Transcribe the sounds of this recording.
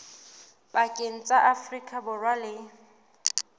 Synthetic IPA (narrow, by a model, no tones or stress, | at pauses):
bakʼeŋ̩t͡sʼaʔafrikʼabʊrwalɪ